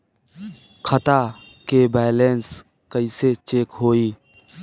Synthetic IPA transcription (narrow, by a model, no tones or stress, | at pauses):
kʰət̪a | kebɛːlens | kəiset͡ʃeːkɦoːiː